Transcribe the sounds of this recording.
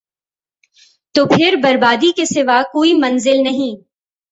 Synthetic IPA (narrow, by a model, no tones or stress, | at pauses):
t̪oːpʰɪɾbɐɾbaːd̪ikesɪʋakoːimɐ̃nzɪlnɐɦĩː